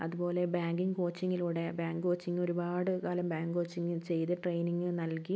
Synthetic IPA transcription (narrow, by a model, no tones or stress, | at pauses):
ɐ̰ðubo̞ːle̞baːŋɡiŋɨko̞ːt͡ɕːiŋːiluːɽe̞baːŋɡɨko̞ːt͡ɕːiŋːo̞ɾubaːɽɨkaːlɐmbaːŋɡɨko̞ːt͡ɕːiŋːɨt͡ɕe̞jt̪ɨʈrejniŋːɨnɐlki